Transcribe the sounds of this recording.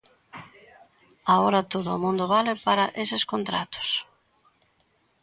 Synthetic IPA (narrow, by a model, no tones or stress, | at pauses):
aoɾɐt̪oðʊamũnd̪ʊβalɪpaɾɐʔesɪskont̪ɾat̪ʊ̥s